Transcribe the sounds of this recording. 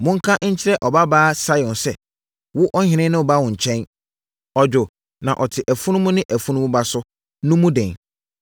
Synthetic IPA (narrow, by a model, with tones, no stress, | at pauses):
mʊ̃˦ŋ̩˦kʰã˦ʔɲ̩˦t͡ɕʰɪ˦ɾɛ˦ʔɔ˨ba˦baː˦sa˦jɔ̃˨nsɛ˦ | wʊ˦ʔɔ˦hɪ̃˨nɪ̃˦nɪ̃˦wɔ˨ba˦wʊ̃˨ɲ̩˨t͡ɕʰɛ̃˦n | ɔ˨d͡ʑᶣʊ˨ | nã˨ʔɔ˨tʰɪ˨ʔæ˨fu˦nʊ̃˦mʊ̃˦nɪ̃˦ʔæ˨fu˦nũ˦m̃˦ba˦sʊ˦ | nʊ̃˦mũ˦dɛ̃˨n